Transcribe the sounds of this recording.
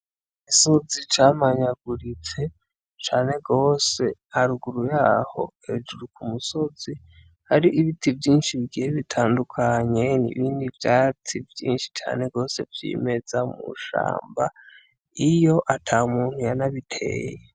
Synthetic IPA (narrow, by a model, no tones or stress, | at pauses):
isozit͡ʃaːmaɲaɡuɾit͡se̞ | t͡ʃaːne̞ɡo̞ːse̞aɾuɡuɾujaːho̞̰ | e̞d͡ʒuɾukʰumuso̞z̥i | haɾiʔiβitivjiːnʃiβiɡieβitʰaːndukʰaɲe̞nḭβiːndivjatʰivjḭːnʃi̥t͡ʃa̰ːne̞ɡo̞ːse̞vjḭːme̞d͡zamṵʃa̰ːmba̰ | ijo̞ʔatʰamuːnhujanaβitʰe̞̰ːje